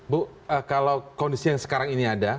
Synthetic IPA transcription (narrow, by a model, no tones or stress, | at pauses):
bʊ | əkalawkondisijaŋsə̥kaɾaŋiniada